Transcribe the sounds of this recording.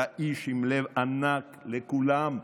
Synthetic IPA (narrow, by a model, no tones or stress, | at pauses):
aʔiʃimlevanaklekulam